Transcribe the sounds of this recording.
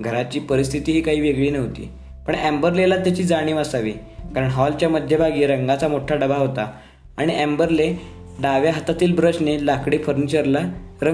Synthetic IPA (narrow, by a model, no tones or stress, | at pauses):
ɡʱəɾat͡ɕiːpəɾist̪ʰit̪iːɦiːkaɦiːʋeɡɭiːnəɦot̪ḭː | pəɳæmbəɾlelat̪jat͡ɕiːd͡zaɽ̃iːʋasaʋḭː | kaɾəɳɦɔlt͡ɕjaməd̪ʱːjebʱaɡiːɾəŋɡat͡samoʈʰaɖəbʱaɦot̪aː | ɽ̃iʔɛmbəɾle | ɖaʋjaɦət̪at̪iːlbɾət͡ɕnelakɽiːfəɾnit͡ɕəɾlaɾə